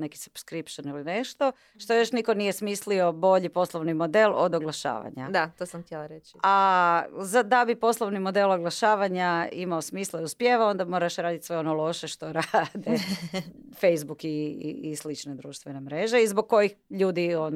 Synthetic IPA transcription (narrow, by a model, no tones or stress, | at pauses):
neki̥subskɾipʃanilineʃt̪o̞ | ʃt̪oejo̞ʃniko̞nijesmisliobo̞ʎipo̞slˠoʋnimo̞d̪e̞lˠo̰d̪oɡlˠaʃa̰ːʋa̰ɲa̰d̪at̪osamt̪jelˠaɾet͡ʃa | zad̪abipo̞slˠoʋnimo̞d̪e̞lˠoɡlˠaʃaːʋaɲaimaosmiːslˠauspjeʋao̞nd̪amo̞ːɾaʃɾaːd̪it̪ʲsʋe̞o̞nolˠo̞ʃe̞ʃt̪o̞ɾad̪e | fejzbukiḭislit͡ʃne̞d̪ɾuːʃt̪ʋenemɾe̞ʒeizboɡ̚kːo̞jixʎuːd̪ion